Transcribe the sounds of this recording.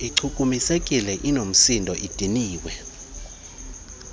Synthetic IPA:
iǀʰukʼumisekʼilɛʔinom̩sindʱɔʔid̥ʱiniːwɛ

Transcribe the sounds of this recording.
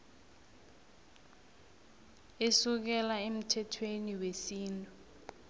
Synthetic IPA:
esuk̬ɛlaem̩tʰɛtʰweniwesiːntʼu

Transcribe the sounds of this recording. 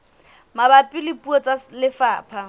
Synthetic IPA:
mabapʼilɪpʼuɔt͡sʼalɪfaːpʰa

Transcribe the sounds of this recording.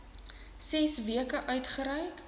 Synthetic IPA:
sɛsviəkəʔœɥtχəɾœjk

